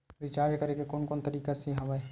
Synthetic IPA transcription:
ɾɪt͡ʃaːɾd͡ʒkɐɾekekoːnkoːnt̪ɐɾiːkasiɦɐʋae

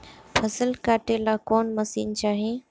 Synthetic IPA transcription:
pʰɐsəlkaːʈelaːkoːnmɐsḭːnt͡ɕaːɦeː

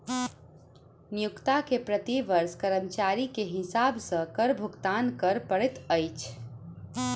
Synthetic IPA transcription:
nijukt̪akepɾət̪iʋəɾskəɾəmt͡ʃaɾikeɦɪsabsə̃kəɾbʱuɡt̪ankəɾpəɽɛt̪əjt͡ʃʰ

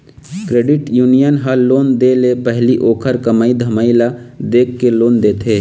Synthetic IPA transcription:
kɾeːɖɪʈjuːnijənɦəloːnd̪elepɛɦliʔoːkʰəɾkəmaːid̪ʱəmaːilad̪eːkːeloːnd̪eːt̪ʰeː

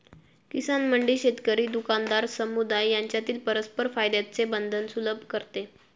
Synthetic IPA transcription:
kisanməɳɖiːɕet̪kəɾiːd̪ukand̪aɾsəmud̪ajːaɲt͡ɕjat̪iːlpəɾəspəɾfajd̪jat͡sebənd̪ʱənsuləbʱkəɾt̪e

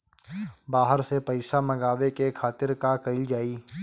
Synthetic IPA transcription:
baːɦəɾsepɐɪsamɐɡaːʋekekʰaːt̪ɪɾkakəɪld͡ʒaːiː

